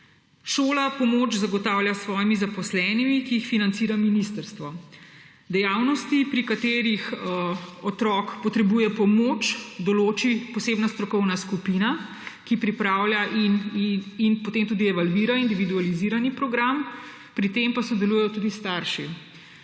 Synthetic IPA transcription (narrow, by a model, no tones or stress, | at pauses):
ʃoːlapɔmoːt͡ʃzaɡɔt̪aːwljasʋɔːjimizapɔslɛːnimikiːxfinant̪siːɾaminist̪əɾst̪ʋɔ | d̪ɛjaːwnɔst̪ipɾikat̪eːɾix | ɔt̪ɾɔkpɔt̪ɾɛbujɛpɔmot͡ʃd̪ɔloːt͡ʃipɔseːbnast̪ɾɔkɔwnaskupina | kipɾipɾaːwljaʔininpot̪emt̪ud̪iɛʋalʋiːɾaind̪iʋid̪ualiziːɾanipɾɔɡɾam | pɾit̪empasɔd̪ɛluːjɛjɔt̪uːd̪ist̪aɾʃi